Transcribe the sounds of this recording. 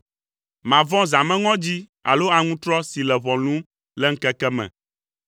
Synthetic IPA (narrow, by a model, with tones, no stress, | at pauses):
mã˨vɔ̃˦zã˨mɛ̃˦ŋɔ̃˦d͡ʑi˦ | a̰˨lo˦a˨ŋũ˦t̪ɾɔ˦si˨lɛ˨βɔ̃˨nũ˦m | lɛ˦ŋ̩˦kɛ˦kɛ˦mɛ̰̃˨